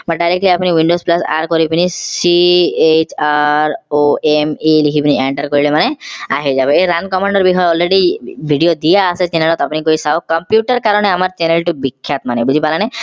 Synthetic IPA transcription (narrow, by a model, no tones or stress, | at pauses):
maɖajɾek̚ʈliapuniwiɳɖosplasa̰ɾkɔɾipinisiet͡ʃaɾoemilikʰipinieɳʈaɾkɔɾilemanea̰ɦid͡ʒabɔeɾankɔmaɳɖɔɾbikʰɔjɔɔlɾeɽibʱiɖijod̪ijaːset͡ʃenalɔt̪apunikoisawkɔmpjuʈaɾkaɾɔɽ̃eamaɾt͡ʃenelʈubikʰːjat̪manebud͡ʒipalañe